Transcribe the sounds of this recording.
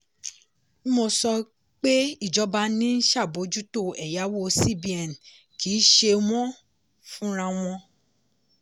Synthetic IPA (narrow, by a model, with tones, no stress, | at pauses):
mo˧sɔ˧ | k͡pe˦i˦˨d͡ʒɔ˨˧˦ba˧nĩ˦n̩˦ʃa˦˨bo˨˦d͡ʒu˦to˦˨ɛ˨ja˨˦wo˦˨si˦bi˨ɛ˨n̩˨ | ki˨˦ʃe˧w̃ɔ̃˦ | fũ˦ɾ̃ã˧w̃ɔ̃˧